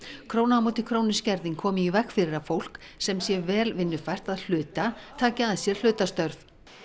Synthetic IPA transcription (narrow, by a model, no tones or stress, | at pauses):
kʰɾoːwnamoːwt̪ɪkʰɾownɪscɛɾðiŋkʰɔːmɪivɛxfɪɾɪɾafowl̥k | sɛmsjɛvɛːlvɪnːʏfajr̥t̪aðl̥ʏːt̪at̪ʰaːcaaðsjɛɾ̥l̥ʏːt̪ast̪œɾf